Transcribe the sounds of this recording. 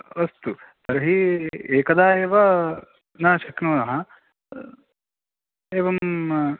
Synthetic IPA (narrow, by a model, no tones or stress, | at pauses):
ɐst̪u | t̪ɐɾɐɦieːkɐd̪aːeːʋɐ | naːʃɐknoːnɐɦɐ | eːʋɐm